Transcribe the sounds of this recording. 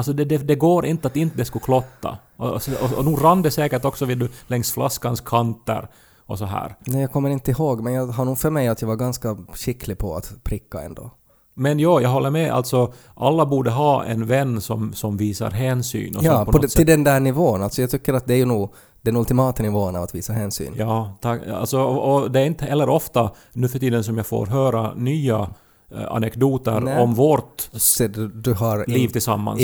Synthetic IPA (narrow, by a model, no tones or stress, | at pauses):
alsɔd̪ɛd̪ɛd̪ɛɡoːɾɪnt̪əat̪ɪnt̪əd̪ɛskʊkʰlɔt̪ːa̰ | ɔɔɔnuːɾanːd̪ɛsɛːkəʈɔksɔvɪld̪ɵlɛŋst̪fla̰skanskʰant̪ə̰ɾ | ɔsɔɦæ̰ːɾnɛːjɑːɡkʰɔmːəɾɪnt̪əɪhoːɡmɛnjɑːɦaɳuːɡfœɾmɛjat̪jɑːvaɾɡanskaɕɪkʰːlɪpʰɔa̰t̪pʰɾɪkːaɛ̰nd̪o̰ː | mɛnjɑːjɑːɡɦɔlːəɾmɛʔa̰lt̪sɔ | ʔalːabuːɖəɦɑːɛ̰nvɛnːsɔmsɔmviːsa̰ɾɦɛːnsy̰ːnɔ̰jɑːpɔnpɔɔsɪld̪ɛnd̪æːɳɪvoːənalt̪sɔjɑɡt̪ʰʏkːəɾat̪̚d̪ɛæɾjʉnuː | d̪̥ɛnɵlt̪ɪmɑːt̪ənɪvoːənavat̪viːsaɦɛːnsy̰ːnjɑːt̪ʰaa̰lt̪sɔɔd̪ɛæɾɪnt̪əhɛlːəɾɔft̪a | nʉːfœʈiːd̪ənsɔmjɑːɡfo̰ːɾɦœːɾa̰nyːa | a̰nɛkd̪uːt̪əɾɔmvɔɾt̪sɛd̪d̪ɵɦaɾliːvt̪ɪlsa̰mːa̰ns